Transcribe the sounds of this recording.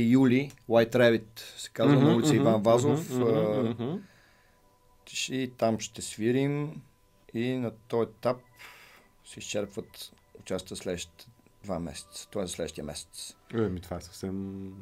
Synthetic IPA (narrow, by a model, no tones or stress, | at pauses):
juliwajt̪ɾɛvit̪sɛ̥kazvənoit̪sɛivanvazof | ʃit̪amʃt̪ɛsviɾim | inɐt̪ɔjɛt̪ap̚ | sɛist͡ʃɛɾpvət̪ | ʊt͡ʃast̪vəslɛd̪ʃt̪ɛ̥d̪vamɛ̰sɛ̥t̪sə̥t̪ɔɛzɐslɛd̪ʃt̪ijɛmɛ̰sɛ̥t̪sɛmit̪vaɛsɐ̥fsɛm